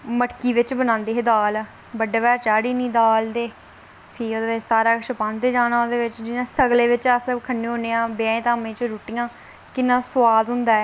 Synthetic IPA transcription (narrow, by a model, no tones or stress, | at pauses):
məʈkiːʋɪt͡ʃbənãːnd̪eːɦeːd̪aːl | bəɖeːʋɛːɾt͡ʃaːɽiːnĩːd̪aːld̪eː | pʰiːoːd̪eːʋɪt͡ʃsaːɾaːʃəpãːnt̪eːd͡ʒaːnaːoːd̪eːʋɪt͡ʃd͡ʒɪnãːsəɡleːʋɪt͡ʃəskʰənːẽːɦõːneːãːbɪãːẽːt̪aːmẽːt͡ʃɾuːʈijãː | kɪnːãːsʊaːd̪ɦʊnd̪aːɛː